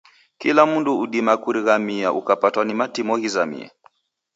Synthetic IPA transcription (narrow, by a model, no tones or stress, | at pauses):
kilamunduːɗimakuɾiɣamiaʔukapatwanimatimɔhizamḭɛ̰